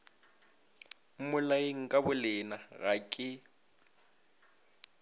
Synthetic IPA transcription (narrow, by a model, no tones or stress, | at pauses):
mʊlaeŋ̩kʼabʊlɪnaɣakʼɪ